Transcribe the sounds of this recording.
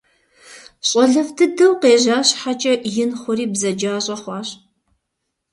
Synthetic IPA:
ɕʼɔɮɐvdʰɨdɐwqeːʑaːɕħat͡ʃʼɐjɪnχʷʊɾiːbzɐd͡ʒaːɕʼɐχʷɑːɕ

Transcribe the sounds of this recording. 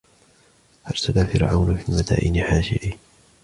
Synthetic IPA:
haɾsalafɪɾʕa̰wnafiːmat̪a̰ːʔɪnɪħaːʃɪ̰ʔɪ

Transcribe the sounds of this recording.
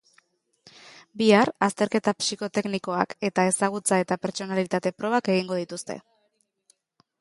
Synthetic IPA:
biaɾast̪e̞ɾke̞t̪apsiko̞t̪e̞kniko̞a̰ke̞t̪ae̞saɣ̞ut͡sae̞t̪ape̞ɾt͡ʃo̞nalit̪at̪e̞pɾo̞β̞ake̞ɣ̞iŋɡo̞ð̞it̪ust̪e̞̰

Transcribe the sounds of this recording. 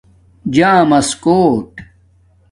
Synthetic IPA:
d͡ʑaːmɐskoːʈ

